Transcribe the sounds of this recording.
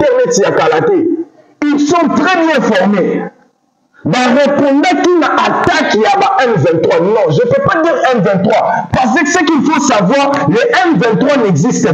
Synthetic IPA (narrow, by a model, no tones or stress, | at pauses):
tɛʁmɛtiakalat̪e | ilsɔ̃t̪ʁɛbjɛ̃fɔʁme | baʁepɔ̃dɛkinaʔatakijabaʔɛ̃nvɛ̃nt̪χwanɔ̃ʒəpøpad̪iʁɛ̃nvɛ̃t̪χwapaʁs̬əksəkilfosavwaʁ | leʔɛnvɛ̃nt̪χwanɛɡzist̪ə